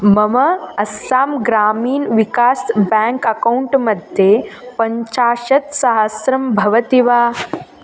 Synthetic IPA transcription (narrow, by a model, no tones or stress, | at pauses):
mɐmɐɐsːaːmɡɾaːmiːnʋikaːsbɛːŋkɐkɐuɳʈmɐd̪ʱjepɐɲt͡ʃaːʃɐt̪sɐɦɐsɾɐmbʱɐʋɐt̪iʋaː